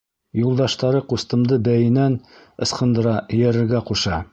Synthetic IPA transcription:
julˠd̪ɑʃt̪ɑɾɤqust̪ɤ̆md̪ɤbæjɘ̆næn | ɤ̆sqɤ̆nd̪ɤ̆ɾɑ̆jæɾɘ̆ɾɡæquʃɑ

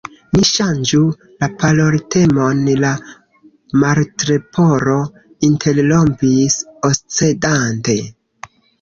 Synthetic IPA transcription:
niʃand͡ʒu | lapalo̞ɾte̞mo̞nla | maɾtɾepʰo̞ɾo̞ | intʰe̞ɾlompisost͡sedante̞

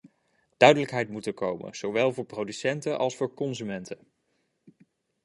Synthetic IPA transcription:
d̥œɥdələkɦɛjtmutəkowmə̰nz̥owʋɛlˠvʊːɹprowdysɛntənʔɑ̰lˠsfʊːɹkɔnzymɛntən

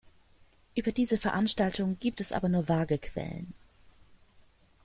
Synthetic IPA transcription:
ʔyːbɐdiːzəfɛɐʔanʃtaltʰʊŋɡ̥iːp̚tɛsʔa̰ːbɐnuːɐvaːɡəkʰv̥ɛ̰lə̰n

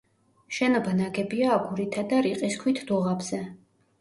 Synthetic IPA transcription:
ʃɛnɔbanaɡɛbiaːɡuɾit̪ʰad̪aɾiqʼiskʰwit̪ʰd̪ɔʁabz̥ɛ

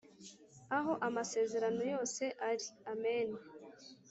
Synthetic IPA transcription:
aɦo̞ʔamase̞ːze̞ɾano̞jo̞ːse̞ʔaɾiameːn

